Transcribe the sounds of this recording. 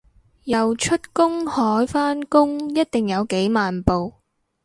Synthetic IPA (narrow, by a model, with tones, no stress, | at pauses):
jɐ˨wt͡ʃʰɵ˥t̚kʊ˥ŋhɔː˨˥jfaː˥nkʊ˥ŋjɐ˥t̚t̪ɪ˨˩ŋjɐ˨˧wke˨˥jmaː˨npo˨w